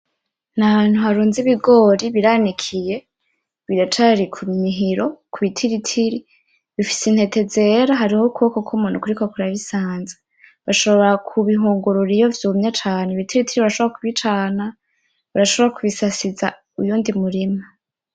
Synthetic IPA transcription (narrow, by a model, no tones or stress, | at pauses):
naβaːn̥huhaɾuːnziβiɡo̞ɾiβiɾanikʰije̞ | βiɾat͡ʃaɾikʰumiɦiɾo̞kʰuβitʰiɾitʰiɾi | βifi̥sen̥he̞te̞ze̞ɾaɦaɾihokʰuβkokʰumuːnukuɾikokuɾaβisaːnze̥ | βaʃo̞βoβoakʰuβiɦuːŋɡuɾuɾijo̞vjumɲat͡ʃaːneβitiɾitiɾiβaɾaʃoβoɾakuβit͡ʃana | βaɾaʃo̞βoɾakuβisasiza | ujuːndimuɾima